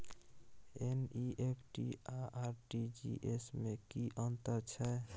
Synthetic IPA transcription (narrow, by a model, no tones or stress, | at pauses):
eniʔepʰʈḭaʔaɾʈid͡ʒḭʔesmekiʔənt̪əɾt͡ʃʰɛ